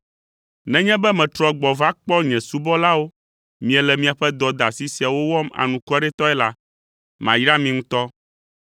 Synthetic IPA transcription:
nɛ̃˦ɲɛ̃˦bɛ˦mɛ̃˨t̪ɾɔ˨ɡ͡bɔ˨va˦k͡pɔ˦ɲɛ̃˨su˦bɔ˦la˦wo˦ | mĩ˨ɛ˨lɛ˨mĩ˨a˨ɸɛ˦d̪ɔ˨d̪a˨si˦si˨a˨wo˦wɔ˦ma̰˨nũ˨kɔ˦ɖɛ˦t̪ɔ˦ɛ˦la˦ | mã̰˨jɾa˦mĩ˨ŋũ˦t̪ɔ˦

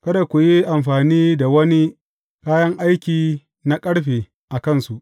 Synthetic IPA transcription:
kɐ˦da˨kʷu˨ji˦ʔa˨mɸaː˨niː˦da˨wɐ˦ni˦ | kaː˦jɐ˦ŋʔa˦jkʲiː˨ | na˦kʼɐ˦ɽɸeː˨ | ʔa˨kɐ˦˨nsu˨ʔ

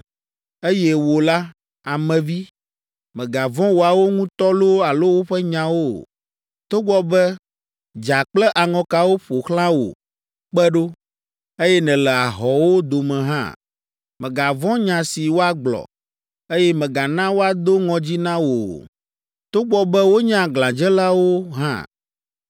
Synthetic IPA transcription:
e˦jɛ˦wo˨la˦ | a˨mɛ̃˨vi˦ | mɛ̃˨ɡa˨vɔ̃˦wo˨a˨wo˦ŋũ˦t̪ɔ˦lo˦a˨lo˦wo˦ɸɛ˦ɲã˨wo˦ | t̪o˦ɡ͡bɔ˦bɛ˦ | d͡ʒa˨k͡plɛ˦ʔa˨ŋɔ̃˨ka˨wo˦ɸo˨xlã˦wo̰˨ | k͡pɛ˦ɖo˦ | e˦jɛ˦nɛ̃˨lɛ˨a˨ɦɔ˨wo˦d̪o˨mɛ̃˨ɦã̰˦ | mɛ̃˨ɡa˨vɔ̃˦ɲã˨si˨wo˦a˦ɡ͡blɔ̰˨ | e˦jɛ˦mɛ̃˨ɡa˨nã˦wo˦a˨d̪o˦ŋɔ̃˨d͡ʑi˦nã˦wo˨ | t̪o˦ɡ͡bɔ˨bɛ˦wo˦ɲã˦ɡlã˨d͡ʒɛ˦la˦wo˦ɦã̰˦

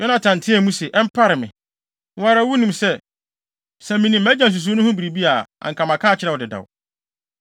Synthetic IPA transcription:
jɔ˦nã˨tʰã˨n˨tʰɪ̃˦æ˨mũ˦sɛ˨ʔɛ˦m̩˦pʰa˦ɾɪ˨mɪ̰̃˨ | wɔ̃˦a˨ɾa˨˦wu˦nĩ˨msɛ˦ | sɛ̃˨mĩ˨nĩ˨m̩æ˦d͡ʑã˨n˨s̬u˨s̬u˦nʊ̃˦hʊ̃˦bi˨ɾi˨bi˦a˨a̰˨ŋ̩kʰã˨mã˨kʰã˦˨t͡ɕʰɪ˦ɾɛ˨wɔ˨dɪ˨da̰˨w

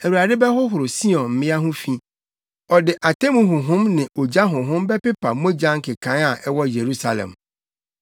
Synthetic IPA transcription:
æ˨wu˨ɾa˨dɪ˦bɛ˦hʊ˦ɦʊ˨ɾʊ˨si˦ɔ̃˨nm̩˨mɪ̃˦a˦ɦʊ̃˦fĩ˦ | ɔ˨dɪ˨ʔa˨tʰɛ˦mũ˨ɦʊ̃˨ɦʊ̃˦mnɪ̃˨o˨d͡ʑa˦ɦʊ̃˨ɦʊ̃˦mbɛ˦pɪ˦pʰa˨mõ˦d͡ʑã˦ŋ˦kʰɪ˨kʰã˨˦a˨ʔɛ˦wɔ˦je˨ɾu˦sa˨lɛ̰̃˨m

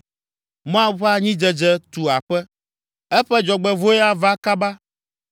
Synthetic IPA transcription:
m˦ã˦ɸa˦ɲĩ˦d͡ʒɛ˦d͡ʒɛ˦t̪u˨a˨ɸɛ˦ | ɛ˦ɸɛ˦d͡ʒɔ˨ɡ͡bɛ˨vo˦jɛ˦a˦va˦ka˦ba˦

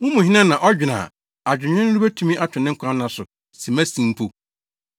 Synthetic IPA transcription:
wʊ̃˦mũ˨ɦɪ˦nã˦nã˨ʔɔ˦d͡ʑᶣɪ˨nã̰ː˨ | a˨d͡ʑᶣɪ˨ɲᶣɛ̃˦n˦ɾu˦bæ˦tʰũ˦mĩ˦ʔa˦tʰɪ˨nɪ̃˦kʷʰã˦m˦nã˨sʊ˨ | sĩ˨mæ˦sĩ˨m˦pʰo˨

